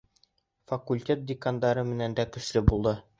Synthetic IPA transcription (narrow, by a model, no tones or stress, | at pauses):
fɐkulʲtʲe̞t̪̚d̪ʲɪkand̪ɑɾɤmɘ̆nænd̪ækɵ̆ʃlɘbulˠd̪ɤ